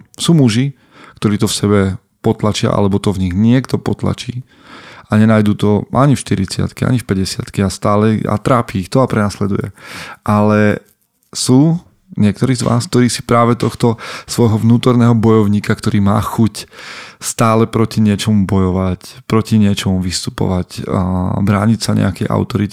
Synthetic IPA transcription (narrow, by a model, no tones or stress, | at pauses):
suːmuʒi | kt̪ɔɾiːt̪ɔfsɛbɛ | pɔt̪lat͡ʃɪa̰ʔa̰lɛbɔt̪ɔvɲiɣɲɪɛkt̪ɔpɔt̪la̰t͡ʃiː | aɲɛnaːjd̪uːt̪ɔʔaɲifʃt̪iɾit͡sɪa̰t̪kia̰ɲifpɛɟɛsɪa̰t̪kiast̪aːlɛa̰t̪ɾaːpiːxt̪ɔapɾɛnaslɛd̪ṵjɛ̰ʔalɛ | suː | ɲɪɛk̚t̪ɔɾiːzʋa̰ːsk̚t̪ɔɾiːsi̥pɾaːʋɛt̪ɔxt̪ɔsʋɔjɦɔʋnuːt̪ɔɾnɛːɦɔbɔjɔʊɲiːkakt̪ɔɾiːmaːxucst̪aːlɛpɾɔciɲɪɛt͡ʃɔmubɔjɔʋacpɾɔciɲɪɛt͡ʃɔmuʋist̪upɔ̰ʋacː | bɾaːɲicsaɲɛ̰akɛjʔa̰ʊt̪ɔɾit̪